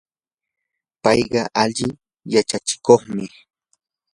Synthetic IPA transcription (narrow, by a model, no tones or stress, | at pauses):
pɑjɢɑʔaʎɪ | jat͡ʃat͡ʃɪ̥koχmɪ